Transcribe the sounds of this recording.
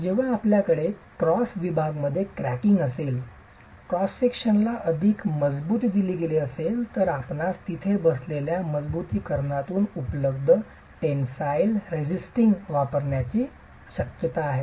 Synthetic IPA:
d͡ʑeʋ̤aːpljakəɽekɾɔsʋibʱaɡməd̪ʱːjekɾækiŋɡəsel | kɾɔsfikʂənlaʔəd̪ʱikməd͡zbuːt̪ːd̪iliːɡeleəselt̪əɾapnatt̪it̪ʰebəsleljaməd͡zbut̪iːkəɾɳat̪uːnupləbd̪ʱə | ʈensajlɾed͡ʑisʈiŋɡʋapəɾɳjat͡ɕiː | ɕəkjət̪aːɦe

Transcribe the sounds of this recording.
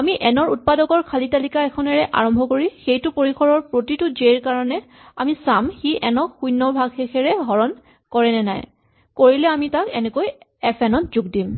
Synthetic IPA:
amiʔɛnɔɹut̚padɔkɔɹkʰalitalikaɛkʰɔnɛɹɛʔa̰ɹɔmbʱɔkoɹixejtʊpoɹikʰɔɹɔɹpɹotitʊd͡ʒeɹkaɹɔnɛ | a̰misamxiʔɛnɔxujnːɔbʱaɡxexɛɹɛɡʱɔɹɔn | kɔɹɛnɛnaj | koɹilɛamitakɛnɛkoj | ɛpʰɛnɔtzuɡdim

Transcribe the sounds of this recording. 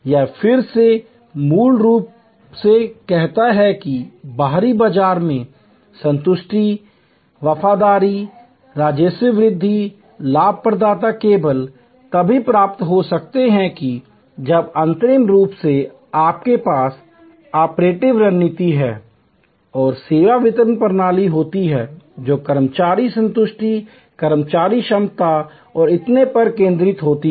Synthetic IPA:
jaːfʰɪɾse | muːlɾuːp̚ | sekɛɦt̪aɦɛkibaːɾibəd͡ʒaːɾmẽ | sə̃nt̪ʊʃʈʰi | ʋɐfaːd̪aːɾi | ɾaːd͡ʒəsjəʋɾɪd̪ʱːi | laːb̚ʱpɾəd̪aːt̪akeːbəl | t̪ɐbʱipɾaːp̚t̪ɦosɐk̚t̪eɦɛ̃ki | d͡ʒɐbɐ̃nt̪əɾɪmɾuːpse | aːp̚kepaːs | aːpɾeːʈɪʋɾɐnɪt̪iɦɛː | ɔːɾseːʋaʋɪt̪əɾənpəɾnaːliɦoːt̪iɦɛːd͡ʒoːkəɾmət͡ʃaːɾisə̃nt̪ʊʃʈi | kɐɾmt͡ʃaːɾiʃəmt̪a | ɔːɾɪt̪nepɐɾkẽːnd̪ɾɪt̪ɦoːt̪i

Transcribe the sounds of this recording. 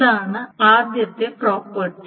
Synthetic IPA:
aːɳɨaːd̪jɐt̪ːeproːpːɐʈː

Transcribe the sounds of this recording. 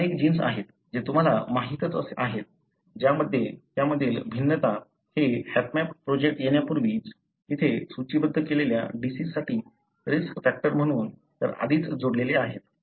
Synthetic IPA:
ənek̚d͡ʑiːnsa̰ɦet̪ | d͡ʑet̪um̤alamaɦit̪ət͡səsaɦet̪̚ | d͡ʑjaməd̪ʱːjet̪jaməd̪ʱːiːlbʱinːət̪a | hehet̪mæppːɾod͡ʑek̚ʈjenjapuɾʋiːt͡s | it̪ʰesut͡ɕibəd̪ʱːəkelelja̰ɖisissaʈiː | ɾiskfæk̚ʈəɾm̤əɽ̃uːn | t̪ə̰ɾa̰d̪ʱiːt͡sd͡zoɽleleaɦet̪

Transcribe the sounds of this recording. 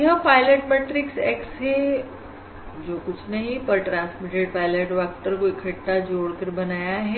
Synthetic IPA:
ɦɐ̃paːɪləʈmeːʈɾɪksɛːksɦe | d͡ʒoːkʊt͡ʃʰnɐɦĩpɐɾʈɾãːnsmɪʈeɖpaːɪləʈʋaːk̚ʈəɾkoɪkʰɐʈːad͡ʒoːɽkɐɾbɐnaːjaɦɛ

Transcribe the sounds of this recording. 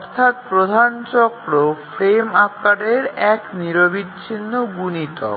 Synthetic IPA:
ɔɾt̪ʰat̪̚pɾod̪ʱant͡ɕɔkɾofɾemakaɖeɾɛkniɾobitːɕʰinːoɡunit̪ɔ̰

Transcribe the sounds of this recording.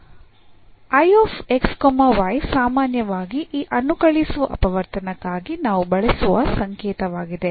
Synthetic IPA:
ɐjoːfekskomɐʋɐjsaːmaːnjɐʋaːɡiʔiːʔɐnːukɐɭisʋuʔɐ̰pɐʋɐɾt̪ɐnɐkːaːɡinaːʋubɐɭesuʋɐsɐŋkeːt̪ɐʋaːɡid̪e

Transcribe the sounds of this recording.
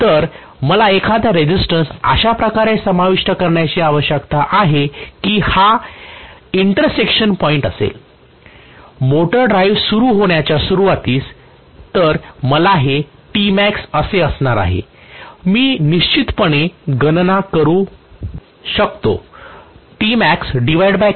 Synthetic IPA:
t̪əɾ | məlaekʰad̪ʱaɾed͡ʑisʈənsa̰ɕapɾəkaɾesəmaʋiʂʈəkəɾɳjat͡ɕiːaʋəɕjəkt̪aʔaɦekiːha | iɳʈəɾsekɕənpɔiɳʈəsḛl | moʈəɾɖɾajʋsuɾuːɦoɳjat͡ɕjasuɾuʋat̪iːs | t̪əɾməlaɦe | ʈimæksəseəsɳaɾa̰ɦḛmiːniɕt͡ɕit̪pəɳ̃eɡənnakəɾuː | ɕək̚t̪o̰ | ʈimæksɖiʋajɽba

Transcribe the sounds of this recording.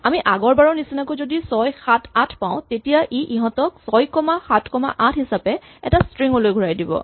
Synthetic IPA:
amiʔaɡɔɹbaɹɔnisinakojzodisɔjxatʰatʰpãʊ̃tetijaʔiʔiɦɔ̃tɔksɔjkɔmaxatʰkɔma̰ʔatʰɦisapɛ | ɛtastɹiŋolojɡʱuɹajdibɔ̰

